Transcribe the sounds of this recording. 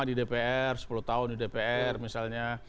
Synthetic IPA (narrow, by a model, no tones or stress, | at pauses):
adidepeɛrsə̥puluht̪aʊndidepeɛrmisalɲa